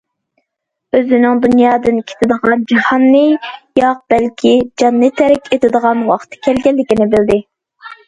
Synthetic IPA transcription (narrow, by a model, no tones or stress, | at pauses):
øzɪnɪŋd̪unjɑːd̪ɨnkʲʰe̥t̪ʰɪd̪əʁɑnd͡ʒɑhɑnːɨjɑq̚b̥ɛlkʲʰid͡ʒɑnːɨt̪ʰːɛɾɪkʲet̪ʰɪd̪əʁɑnwɑqt̪ʰɨ̥kʲʰɛlɡʲɛllːɪkʲinɪbɪld̪ɪ